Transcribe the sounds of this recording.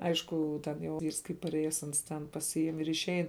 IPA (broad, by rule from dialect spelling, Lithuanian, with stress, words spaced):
ˈɐɪʃkʊ tʲɛn jɛʊ ˈʋʲiːrs kɐɪ pɐˈrʲeːjɛs ˈɐns tʲɛn pɐˈsʲɪjɪm ɪr ɪʃʲˈɛɪn